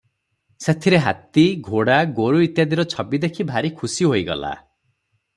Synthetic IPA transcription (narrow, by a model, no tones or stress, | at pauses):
set̪ʰiɾeɦat̪iɡʱoɽaɡoɾuit̪jad̪iɾɔt͡ʃʰɔbid̪ekʰibʱaɾikʰusiɦoiɡɔ̰la̰